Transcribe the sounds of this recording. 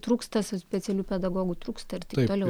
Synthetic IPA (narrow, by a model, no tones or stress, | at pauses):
t̪ɾuːkst̪ɐssʲpʲɛt̪sʲɛlʲuːpʲɛd̪ɐɡoːɡut̪ɾuːkst̪ɐɪrt̪ʲɪt̪oːlʲɛʊ